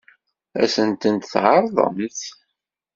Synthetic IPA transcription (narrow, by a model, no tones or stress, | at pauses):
æ̰sənt̪ənt̪θʕɑɾˤðˤə̰mθ